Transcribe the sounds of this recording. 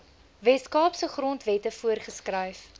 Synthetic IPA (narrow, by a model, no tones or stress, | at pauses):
vɛskɑːpsəχrɔntvɛtəfuərχəskrəjf